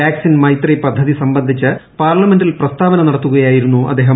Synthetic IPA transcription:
aːksinmɐjt̪ripɐd̪ʱːɐðisɐmbɐnd̪ʱit͡ɕːɨpaːrɭɐmendilprɐst̪aːʋɐnɐnɐɽɐt̪ːuɣɐjaːjiɾunːuʔɐ̰d̪ʱːeːɦɐ

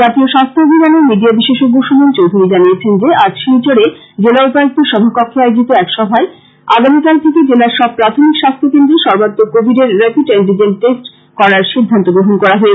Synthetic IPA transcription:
d͡ʑat̪ioʃast̪ʰoobʱinaneɾmiɖiabiʃeʃoɡːoʃomont͡ɕowd̪ʱuɾid͡ʑaniet͡ɕʰend͡ʑead͡ʑʃejt͡ɕoɽe | d͡ʑelaupaakt̪ʰeɾʃɔbʱakɔkʰːeajed͡ʑit̪oɛkʃɔbʱae | a̰ɡamikalt̪ʰeked͡ʑelaɾʃɔb̚pɾat̪ʰomikʃast̪ʰokend̪ɾeʃɔɾbat̪ːokobʱiɖeɾːepiʈeɳɖid͡ʑenʈesʈ | kɔɾaɾʃid̪ʱːant̪oɡɾoɦonkɔɾaɦɔe

